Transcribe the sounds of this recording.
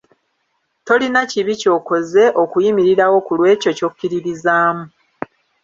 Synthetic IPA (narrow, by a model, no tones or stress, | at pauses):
to̞linaciβico̞ːko̞ze̞ʔo̞kujimiɾiɾawo̞kulwe̞ːco̞co̞kːiɾiɾizaːmu